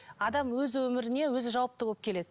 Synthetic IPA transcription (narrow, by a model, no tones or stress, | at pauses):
ɑd̪ɑmwɵzwɵmɪɾɪne̞wɵzɪʒɑwɑp̚t̪əbolˠəp̚kʲʰe̞le̞d̪ɪ